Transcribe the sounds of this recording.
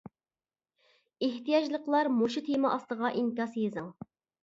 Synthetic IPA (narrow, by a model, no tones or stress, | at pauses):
eht̪ijɑd͡ʒlˠəqlˠɑɾmoʃut̪ʰemɑʔɑst̪əʁɑʔiŋkʲɑsjezɨŋ